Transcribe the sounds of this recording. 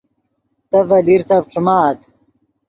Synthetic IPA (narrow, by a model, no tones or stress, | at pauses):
t̪ɐvɐliɾsaːbʈ͡ʂumaːt̪